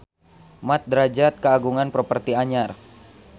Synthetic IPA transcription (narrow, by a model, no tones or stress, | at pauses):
mat̪̚d̪ɾad͡ʒat̪̚kəaɡuŋanpɾɔpərt̪iaɲar